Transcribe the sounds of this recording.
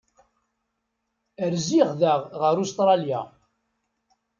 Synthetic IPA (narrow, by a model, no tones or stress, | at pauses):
əɾziʁðəʁʁəɾust̪ɾˤɑlja̰